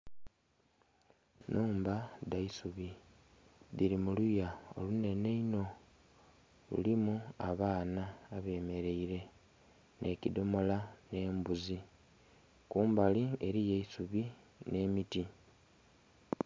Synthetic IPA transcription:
nʔuːmbadaisuβi | ðiɾimulujao̞̰lune̞ne̞ino̞ | lṵlimuaβaːnaːβe̞ːme̞ɾe̞iɾe̞ | nʔe̞cidomo̞lane̞ːmbuzi | kuːmbalie̞ɾijeisuβi | ne̞ːmiti

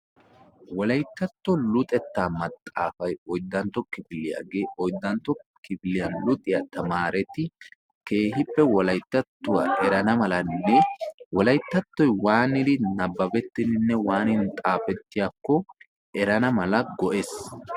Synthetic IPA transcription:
wɔlɐjt̪ːɐt̪ːɔlʊt̪ʼɛt̪ːaːmɐt̪ʼːa̰ːfɐjɔjd̪ːɐnt̪ːɔkɪfɪlːɪja̰ːɡe̞ːʔɔjd̪ːɐnt̪ːɔkɪfɪlɪjɐnlʊt̪ʼɪjɐt̪ɐmaːɾɛt̪ɪ | ke̞ːɦɪpːɛwɔlɐjt̪ːɐt̪ːʊwaːʔɛɾɐnɐmɐlɐnːɛwɔlɐjt̪ːɐt̪ːɔjwaːnɪd̪ɪnɐbːɐbɛt̪ːɪnɪnːɛwaːnɪnt̪ʼaːfɛt̪ːɪjakːɔ | ɛɾɐnɐmɐlɐɡɔʔeːs

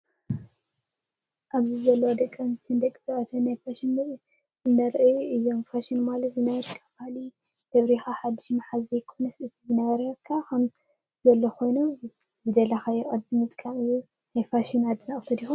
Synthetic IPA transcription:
ʔaβzizɐlːɐwod̪ɐkʼːɐmst̪ʰɨnd̪ɐkʼɨ̥t̪ʰɐʔɐt̪ʰɐnajfaʃin | ɨnd̪ɐɾʔjuɨjːo̞mfaʃinmalɐt̪zɨnɐβɐɾkʰabahli | d̪̥ɐβɾixaħad̪ːɨʃmaħazɐjɪkʰo̞nɐsɨt̪ʰijɨnɐβɐɾɐkʰːakʰɐm | zɐlːoxʰo̞jnu | zɨd̪ɐlːɐxajɛʔʼɐd̪bɨmɨt̪ʼkʼamɨjːu | najfaʃinad̪ɨnɐʔʼt̪ʰɨd̪ixun

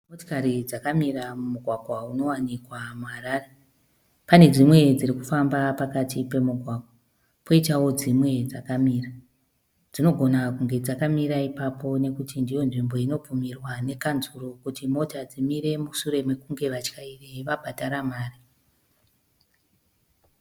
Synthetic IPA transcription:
motokaɾid͡zakamiɾamumuɡʱwaɡʱwauno̞wanikwamuɦaɾaːre̞ | pane̞d͡zimwe̞d͡ziɾikufambapakatipe̞muɡʱwaɡʱwa | pʰo̞itawo̞d͡zimwe̞d͡zakamiːra | d͡zino̞ɡʱo̞nakuŋɡe̞d͡zakamiɾaipapo̞ne̞kutindijo̞nʐimbo̞ino̞b͡vumirwane̞kanzuro̞kutimo̞tad͡zimiɾe̞muʃuɾe̞me̞kuŋɡe̞ʋat͡ʃkaiʋeʋabʱadʱaɾamaːri

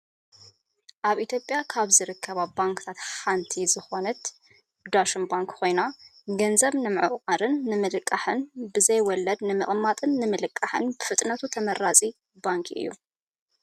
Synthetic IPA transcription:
ʔaβʔit̪ʰjo̞pʼjakʰaβzɨɾɨkʰːɐβabaŋkʰɨ̥t̪ʰat̪ħant̪ʰizɨxo̞nɨt̪ | d̪aʃɨnbaŋkkʰo̞jnaɡɐnzɐβnɨmɨʕɨʔʼqʼaɾɨnːɨmɨlɨkʼːaħɨnbɨzɐjwɔlːɐd̪nɨmɨχʼmːat̪ʼɨnːɨmɨlɨkʼːaħɨ̰nbɨfɨt̪ʼnɐt̪ʰut̪ʰɐmɐɾat͡sʼi | baŋkʰʔɨ̰jːṵ

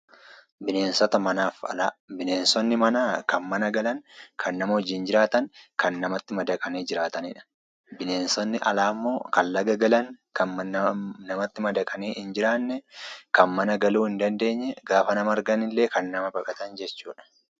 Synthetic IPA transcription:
bɪne̞ːnsɔt̪ɐmɐnaːfɐ̰laːbɪneːnsɔnːɪmɐnaːkɐnmɐnɐɡɐlɐŋkʰɐnːɐmɐd͡ʒɪːnd͡ʒɪɾaːt̪ɐŋkɐnːɐmɐt̪ːɪmɐd̪ɐkʼɐneːd͡ʒɪɾaːt̪ɐnɪ̰ᶑɐ̥ | bɪneːnsɔnːɪʔɐ̰laːmːo̞ːkɐnlɐɡɐɡɐlɐŋ | kɐ | nɐmɐt̪ːɪmɐd̪ɐkʼɐneːʔɪnd͡ʒɪɾaːnːɛkɐnmɐnɐɡɐluːɪnd̪ɐnd̪e̞ːɲːɛɡaːfɐnɐmɐɾɡɐnɪlːe̞ːkɐnːɐmɐbɐkʼɐt̪ɐnd͡ʒɛt͡ʃːuːᶑɐ̥

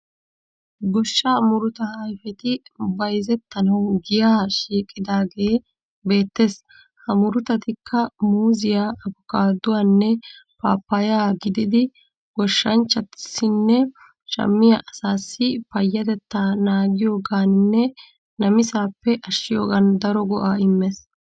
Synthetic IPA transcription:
ɡɔʃːaːmʊɾʊt̪ɐhajfɛt̪ɪbɐjzɛt̪ːɐnɐwɡɪjaːʃiːkʼːɪd̪aːɡe̞ː | be̞ːt̪ːeːs | hɐmʊɾʊt̪ɐt̪ɪkʰːɐmuːzɪjaːɐbʊkaːd̪ʊwanːɛpaːpːɐjaːɡɪd̪ɪd̪ɪ | ɡɔʃːɐnt͡ʃːɐt̪sɪnːɛ | ʃɐ̰mːɪjɐʔɐsaːsːɪpɐjːɐt̪ɛt̪ːaːnaːɡɪjo̞ːɡaːnnːɛ | nɐmɪsaːpːɛʔɐʃɪjo̞ːɡɐnd̪ɐɾɔɡɔʔaːɪmːeːs

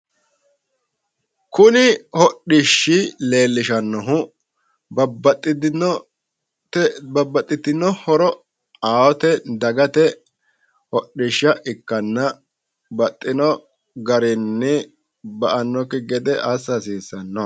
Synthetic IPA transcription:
kʊnɪhɔɗɪʃːɪle̞ːlːɪʃɐnːɔɦʊ | bɐbɐt̪ʼːɪd̪nɔ | tbɐbːɐt̪ʼːɪt̪ːɪnɔhɔɾɔ | aːwɔt̪ɛd̪ɐɡɐt̪ɛ | hɔɗɪʃːɐʔɪkːɐnːɐ | bɐt̪ʼːɪnɔ | ɡɐɾɪnːɪ | bɐʔɐnːɔkːɪɡɛd̪ɛʔasːɐsiːsːɐnːɔ

